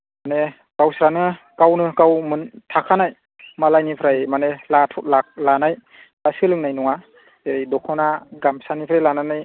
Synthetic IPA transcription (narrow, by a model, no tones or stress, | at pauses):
mane | kawsɾanɯ | kawnɯkawmɯntʰakʰanaj | malajnipʰɾajmanelatʰɔt̚lak̚lanaj | asɯlɯŋnajnɔŋa | eɾajdɔkʰɔwnaɡamsanipʰɾajlananaj